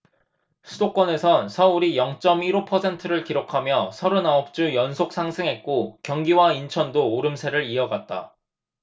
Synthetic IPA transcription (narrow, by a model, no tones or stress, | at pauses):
sʰudok͈wʌne̞sʰʌnsʰʌuɾijʌŋt͡ɕ͈ʌmiɾopʰʌsʰe̞ntʰɯɾɯɭkiɾokʰamjʌsʰʌɾunaʌp̚t͡ɕ͈ujʌnsʰok̚s͈ʰaŋsʰɯŋɦe̞t̚k͈okjʌŋɡiwaint͡ɕʰʌndoːɾɯmsʰe̞ɾɯɾiʌɡat̚t͈a̰